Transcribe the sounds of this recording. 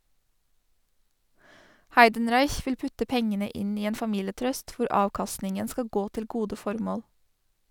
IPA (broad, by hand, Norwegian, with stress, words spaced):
ˈhæɪdənˌɾɑɪç ˈʋɪl ˈpʉtə ˈpɛŋənə ˈɪn ˈiː ˈeːn fɑˈmiːləˌtɾœst ˈʋʊɾ ˈɑːʋkɑstnɪŋən ˈskɑ ˈɡoː ˈtɪl ˈɡuːdə ˈfɔɾmoːl